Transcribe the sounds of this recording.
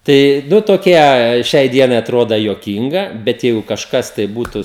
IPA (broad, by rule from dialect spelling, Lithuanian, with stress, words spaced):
ˈtɐɪ ˈnʊ toːˈkʲiɛ ˈʃʲɛɪ ˈdʲiɛnɐɪ ɐˈtroːdɐ juɔˈkʲiːŋɡɐ ˈbʲɛt ˈjɛɪɡʊ kɐʃˈkɐs tɐɪ ˈbuːtʊ